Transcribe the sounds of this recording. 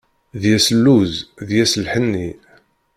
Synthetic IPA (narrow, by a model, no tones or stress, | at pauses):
ðjæsəlːuzðjæsəlħənːi